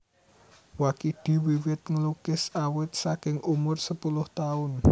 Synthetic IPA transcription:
wakiɖ̪̥i̤wiwɪt̪̚ŋəlukɪsawɪt̪̚sakɪŋʔumʊrsəpulʊht̪aʊn

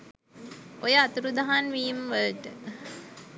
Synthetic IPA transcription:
ojəat̪uɾud̪aɦanʋiːmʋəlʈə

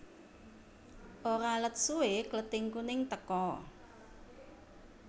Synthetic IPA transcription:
ʔoɾalət̪̚sueklət̪iŋkunɪŋt̪əkɔ

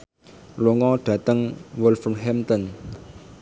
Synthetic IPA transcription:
loŋɔɖ̥ä̤t̪əŋwʊlfɔmɦɛmt̪ən

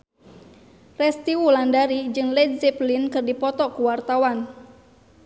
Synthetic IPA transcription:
rɛst̪iwulandaɾid͡ʒɨŋlɛdzɛplinkɨrdipɔt̪ɔkuwart̪awan

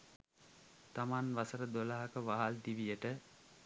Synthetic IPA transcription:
t̪amanʋasəɾəd̪olaɦakəʋaɦald̪iʋijəʈə

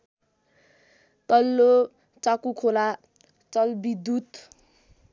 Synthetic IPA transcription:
t̪ʌlːo | t͡sakukʰola | t͡sʌlbid̪ut̪

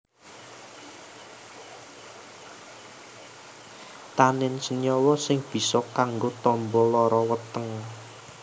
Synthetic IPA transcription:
t̪anɪnsənjɔwɔsɪŋb̥i̤sɔkaŋɡot̪ɔmbɔlɔɾɔwət̪əŋ

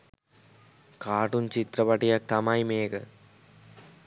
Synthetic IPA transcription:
kaːʈunt͡ʃit̪ɾɐpɐʈːijak̚t̪ɐmaːjmeːkɐ̰

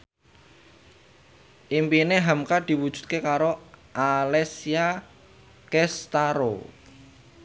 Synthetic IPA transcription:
ʔimpineɦamkad̪̥i̤wud̥ʒ̥ṳ̥t̪̚kekaɾoʔalɛsia | kɛst̪aɾo̰

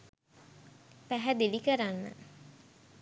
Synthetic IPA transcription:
pæɦæd̪elikəɾanːə̰

